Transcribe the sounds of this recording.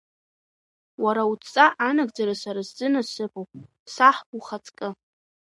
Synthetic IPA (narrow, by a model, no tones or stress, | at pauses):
waɾaut͡st͡sʼaʔanaɡd͡zaɾasaɾazzɨnasɨpʰʼowpʼ | saħuχat͡sʼkʼɨ